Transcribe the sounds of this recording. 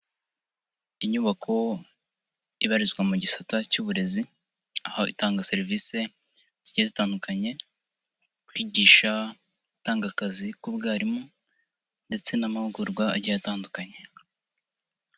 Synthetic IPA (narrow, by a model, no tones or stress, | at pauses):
iɲuβakʰo̞ | iβaɾizɡwamuɟisatacuːβuɾe̞zi | ahoʔḭtaːŋɡase̞ɾivise̞ | z̥iɟezitaːndukʰaɲe̞ | kwiːɟiːʃa | utaːŋɡakazikubɡaːɾimo | nde̞t͡se̞namahuɡuɾɡwaɟijataːndukaɲe̞